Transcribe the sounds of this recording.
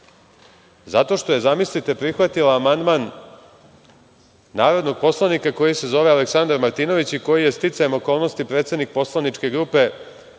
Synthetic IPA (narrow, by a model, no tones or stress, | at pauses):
zat̪o̞ʃt̪o̞je̞zamislit̪e̞pɾixʋat̪ilaːmand̪maːn | aːɾo̞d̪no̞ɡ̚po̞slˠanikako̞jisezo̞ʋealeksand̪aɾmaɾt̪ino̞ʋit͡ɕiko̞jije̞st̪it̪sajemo̞ko̞ːlˠno̞st̪ipɾe̞ːt̪sed̪nik̚po̞slˠanit͡ʂke̞ɡɾuːpe̞